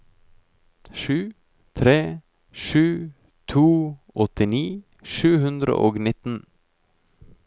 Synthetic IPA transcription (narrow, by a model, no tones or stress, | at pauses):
ʃʉː | t̪ʰɾeː | ʃʉː | t̪ʰuːʔɔt̪ɪniː | ʃʉːhʉnd̪ɾə̰ʔoːɡnɪt̪n̩